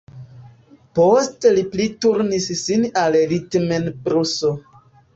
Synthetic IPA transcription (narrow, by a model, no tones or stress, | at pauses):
posteliplituɾnissinalɾitmenpɾuso